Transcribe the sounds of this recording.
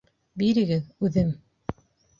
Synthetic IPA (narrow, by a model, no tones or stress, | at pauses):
biɾɘ̆ɡɘðʉðɘm